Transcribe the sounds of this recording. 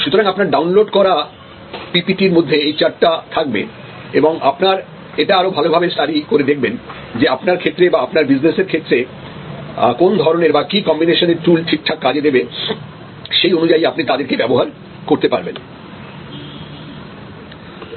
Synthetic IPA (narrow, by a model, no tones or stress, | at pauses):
ʃut̪oɾaŋapnaɾɖawnloɖkɔɾa | pipiʈiɾmod̪ʱːeejt͡ɕaɾʈʈat̪ʰak̚bḛ | eboŋapnaɾ | eʈaaɾobʱalobʱabest̪aɾikoɾed̪ek̚ʰben | d͡ʑeapnaɾkʰet̪ːɾebaapnaɾbid͡ʑneseɾkʰet̪ːɾe | kond̪ʱɔɾoneɾbakikɔmbineʃoneɾʈult͡ɕʰiʈʰːakːad͡ʑed̪ebe | ʃejonud͡ʑaiapnit̪ad̪eɾkebɛboɦaɾ | koɾt̪epa̰ɾben